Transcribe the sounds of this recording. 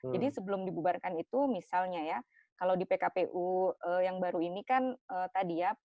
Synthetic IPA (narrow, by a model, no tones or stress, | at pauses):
d͡ʒadisəbəlʊmdibubarkanit̪umisalɲaja | kalawdipekapeʔuəjaŋbaɾuinikanət̪adija